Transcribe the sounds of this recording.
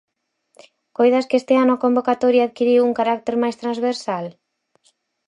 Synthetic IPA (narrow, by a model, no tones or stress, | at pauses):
kojðaskest̪ɪanʊakombokat̪oɾjaːðkiɾiwuŋkaɾak̚t̪eɾmajst̪ɾanzβeɾsal